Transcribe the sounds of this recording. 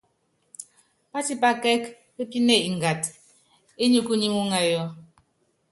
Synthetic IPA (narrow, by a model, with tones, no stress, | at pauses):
pa˦ti˦pa˦kɛ˦k | e˦pi˦ne˦˨i˨ŋ˨ɡa˨t | e˦ɲu˦ku˦ɲi˦ŋu˦ŋa˨jɔ˦